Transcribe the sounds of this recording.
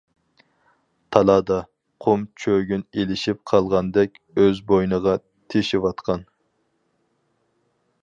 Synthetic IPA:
t̪ʰɑlˠɑːd̪ɑ | qʰʊmt͡ʃʰøɡʲynelɪʃip̚qʰɑlˠʁɑnd̪ɛkʲ | øzbojnəʁɑ | t̪ʰeʃiwɑt̪qʰɑn

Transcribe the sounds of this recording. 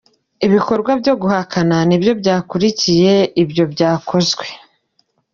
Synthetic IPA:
iβiko̞ɾɡwabjo̞ɡuhakʰananibjo̞bɟaːkuɾicije̞ibjo̞bɟaːkʰo̞zɡwe̞

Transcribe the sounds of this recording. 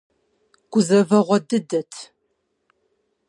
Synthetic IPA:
ɡ̥ʷʊzɐvɐʁʷɔdɨdɐtʰ

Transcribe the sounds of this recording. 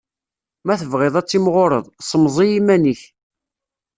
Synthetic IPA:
mæθəvʁɪðˤæt͡sːimʁoɾˤə̰ðˤsˤəmzˤijimæniç

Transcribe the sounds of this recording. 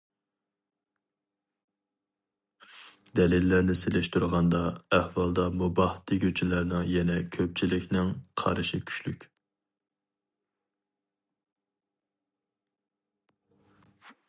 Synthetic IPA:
d̪ɛlilːæɾnɪselɪʃt̪uɾʁɑnd̪ɑɛhwɑlˠd̪ɑmubɑht̪ʰːiɡʲøt͡ʃʰilæɾnɪŋjɛnɛkʲʰøp̚t͡ʃʰilɪkʲnɪŋqʰɑ̰ɾɨʃikʲʰy̥ʃlykʲ

